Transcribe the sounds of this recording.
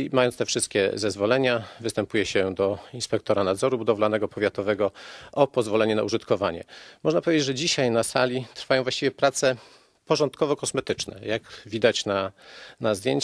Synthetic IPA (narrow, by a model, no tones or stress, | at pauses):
majɔntst̪ɛfʂɘst̪̚kʲɛ̰zɛzvɔlɛɲavɘst̪ɛmpujɛɕɛd̪ɔinspɛk̚t̪ɔɾanad̪zɔɾubud̪ɔvlanɛɡɔpɔvʲjat̪ɔvɛɡɔɔpɔzvɔlɛɲɛnauʐɘt̪kɔvaɲɛ̰mɔʐnapɔvʲed͡ʑed͡ʑʐɛd͡ʑiɕajnasalʲit̪ɾfajɔ̃w̃vwaɕt͡ɕivʲjɛpɾat̪sɛ | pɔʐɔnt̪kɔvɔkɔsmɛt̪ɘt͡ʂnɛ̰jaɡvʲid̪at͡ɕnanazd̪jeɲt͡ɕ